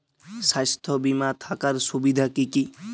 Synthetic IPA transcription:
sajst̪ʰɔbimat̪ʰakaɾsubid̪ʱakiki

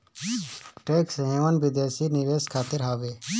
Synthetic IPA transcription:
ʈeːksɦẽːʋənbɪd̪eːsinɪʋeːskʰaːt̪ɪɾɦaːʋeː

